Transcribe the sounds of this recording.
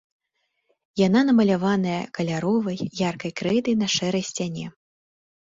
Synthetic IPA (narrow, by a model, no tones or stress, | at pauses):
jananɐmɐlʲavanɐjɐkɐlʲaɾɔvɐjjarkɐjkɾɛd̪ɨjnɐʂɛɾɐjsʲt͡sʲanʲɛ